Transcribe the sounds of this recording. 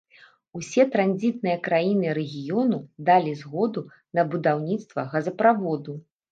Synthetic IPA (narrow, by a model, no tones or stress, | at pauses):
usʲɛt̪ɾanʲzʲit̪nɨjɐkɾajinɨɾɛɣʲijɔnud̪alʲizɣɔd̪u | nɐbud̪awnʲit̪st̪vɐɣɐzɐpɾavɔd̪u